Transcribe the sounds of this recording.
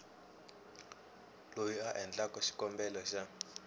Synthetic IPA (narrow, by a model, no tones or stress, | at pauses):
lojiaʔɛnd͡ɮakʼɔʃi̥kʼɔmbɛlɔʃa